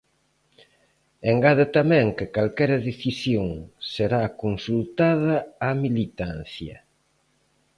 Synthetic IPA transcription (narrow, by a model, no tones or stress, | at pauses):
eŋɡaðat̪amɛ̃ŋkɪkalkɛɾɐðeθisjoŋseɾakonsult̪að̞ɐamilit̪anθjɐ̰